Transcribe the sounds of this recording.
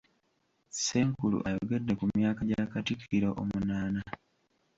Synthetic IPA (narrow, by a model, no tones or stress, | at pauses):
seːŋkulṵʔajoɡe̞dːe̞kumjaːkaɟakatikʰiɾoʔomunaːna